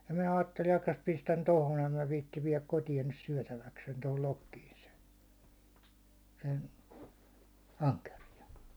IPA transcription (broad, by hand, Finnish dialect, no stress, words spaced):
jɑ minæ ɑːtːeli ɑkːɑs pistæn tohon em mæ ʋiːtːiʋ ʋiɛlæk kotijɑn nys syæ̹tæʋæksen tohol lokːiːn sen̞ sen ɑŋkerijɑn̞